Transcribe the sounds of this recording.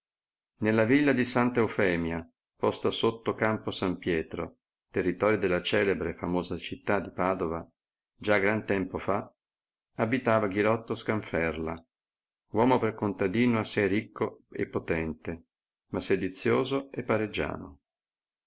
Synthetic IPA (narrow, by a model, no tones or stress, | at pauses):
nelːavilːad̪isant̪aufɛːmja | pɔst̪asot̪ːokamposampjɛːt̪ɾo̰ | t̪erːit̪ɔːɾjod̪elːat͡ʃɛːlebɾefamoːzat͡ʃit̪ːad̪ːipaːd̪ova | d͡ʒaɡɾant̪ɛmpofa | abit̪aːvaɡilɔt̪ːoskaɱfɛrla | wɔːmoperkont̪ad̪iːnoasːɛjrikʰːoḛpːot̪ɛnt̪e | masɛd̪it̪sːjoːzoepːaɾed͡ʒːa̰ːno̰